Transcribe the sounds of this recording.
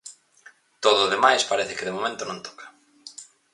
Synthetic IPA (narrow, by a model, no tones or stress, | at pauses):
t̪oðoːðemajspaɾeθɪkɪðemomẽnt̪ʊnõnt̪ʰɔ̥kʰɐ̥